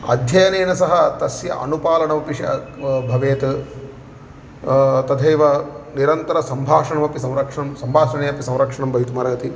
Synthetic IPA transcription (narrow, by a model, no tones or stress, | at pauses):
ɐ̰d̪ʱjɐjɐneːnɐsɐɦɐt̪ɐsjɐ̰ʔɐnupaːlɐɳɐmɐpiʃɐ̰bʱɐʋeːt̪ | t̪ɐt̪ʰeːʋɐniɾɐnt̪ɐɾɐsɐmbʱaːʂɐɳɐmɐpisɐ̃w̃ɾɐkʂɐɳɐmsɐmbʱaːʂɐɳeːɐpisɐ̃wɾɐkʂɐɳɐmbʱɐjt̪umɐɾɐɡɐt̪i